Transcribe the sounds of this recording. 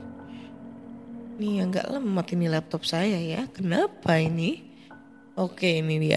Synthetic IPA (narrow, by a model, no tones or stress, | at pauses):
nijaŋɡa̰ʔləməmat̪inilɛp̚t̪ɔp̚sajajakənapaini | okeinibia̰